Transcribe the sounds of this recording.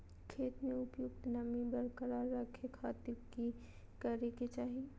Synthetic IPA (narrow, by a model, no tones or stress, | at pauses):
kʰeːt̪mẽʊpjʊɡt̪namibɐɾkəɾaːɾːakʰekʰaːt̪ɪɾki | kəɾeket͡ʃaːɦi